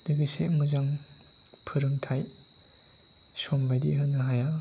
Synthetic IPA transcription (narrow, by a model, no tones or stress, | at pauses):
d̥ɯɡɯsemɯzaŋ | pʰɯɾɯŋtʰaj | sɔmbajdiɦɯnaɦaja